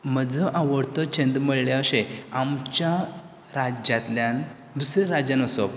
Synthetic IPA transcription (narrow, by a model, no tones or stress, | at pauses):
m̤əd͡zʱəʔaʋəɽt̪ət͡ɕʰẽnd̪məɭljeəɕẽamt͡ɕja | ɾad͡ʑjat̪ljan | d̪usɾɾad͡ʑjãnəsɔ